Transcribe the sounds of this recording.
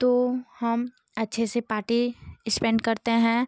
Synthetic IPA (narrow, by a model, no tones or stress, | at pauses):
t̪oːhɐm | ɐtːʃʰesepaːɾʈiɪspɛ̃ːɳɖkɐɾt̪eɦɛ̃ː